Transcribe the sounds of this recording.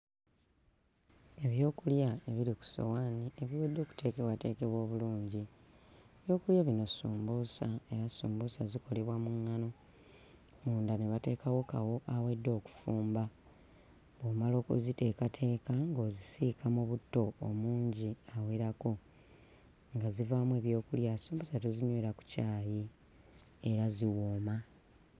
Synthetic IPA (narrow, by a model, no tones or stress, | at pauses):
e̞βjo̞ːkuljae̞βiɾiku̥so̞̰waːnie̞βiwe̞dːo̞ːku̥tʰe̞ːke̞βwate̞ːke̞βwo̞ːβuluːɲɟi | eβjo̞ːkuljeβino̞suːmbuːsae̞ɾasuːmbusaziko̞le̞βwamuŋːano̞ | muːndaneβate̞ːkawo̞kawo̞ʔawe̞dːo̞ːku̥fuːmba | βwoːmalo̞ːkṵzite̞ːkatʰe̞ːkaŋɡo̞ːzisikʰamoβutːo̞ːmuːɲɟiawe̞ɾako̞ | ŋɡazivaːmwe̞ːβjo̞ːkuljasuːmbusatoziɲweɾaku̥caːji | e̞ɾaziwoːma